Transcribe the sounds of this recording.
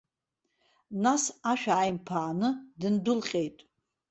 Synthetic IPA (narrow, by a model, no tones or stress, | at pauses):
nasaʃᶣaʕːjmpʰaːnɨdɨndʊlχʲʼe̞jtʼ